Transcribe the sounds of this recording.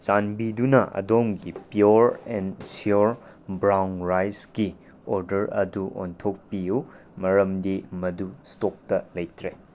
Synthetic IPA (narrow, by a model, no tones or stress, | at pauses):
t͡ʃanbidunɐʔɐ̰domɡipijuɾɛnsjuɾ | bɾawnɾajsɡi | oɾdɐɾɐ̰duʔo̰ntʰok̚piju | mɐɾɐmdimɐdustok̚tɐlɐjtʰɾe